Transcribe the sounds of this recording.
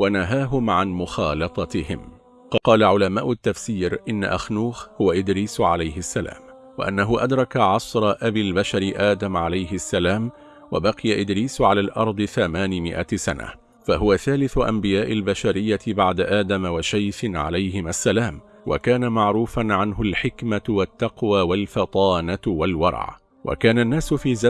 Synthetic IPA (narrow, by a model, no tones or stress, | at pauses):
wanaɦaːɦʊmʕanmʊxɑːlɑt̪ˤɑt̪ɪhɪm | kɑqɑːlaʕʊlamaːʔʊt̪ːafsiːɾʔɪnːa̰ʔaxnuːxhʊwaʔɪd̪ɾiːsʕa̰lajhɪsːala̰ːm | wa̰ʔanːaɦʊʔad̪ɾˤɑkaʕɑsɾˤɑʔabiːlbaʃaɾɪʔaːd̪amʕalajhɪsːalaːm | wa̰bɑqɪjaʔɪd̪ɾiːsʕalaːlʔɑɾˤd̪ˤɨθamaːnɪmɪ̰ʔasana̰ | faɦʊwaθaːlɪθʊʔa̰mbɪjaːʔɪlbaʃaɾɪjːabaʕd̪aʔaːd̪amawaʃajfɪnʕa̰lajhɪmasːalaːm | wa̰kaːnamaʕɾuːfanʕanɦʊlħɪkmawat̪ːɑqwaːwalfɑt̪ˤɑːnawalwɑ̰ɾ̰ˤʕ | wʔa̰kaːnanːaːsʊfiːza